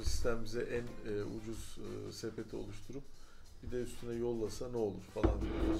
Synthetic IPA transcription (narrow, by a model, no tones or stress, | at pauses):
si̥st̪ʰæmimizɛʔænud͡ʒuz̥sepʰe̞t̪ʰio̞̰lˠuʃt̪ʰuɾup̚ | bid̪ɛyst̪ʰynɛjo̞lˠːasanɛo̞lˠuɾfalˠandbid̪o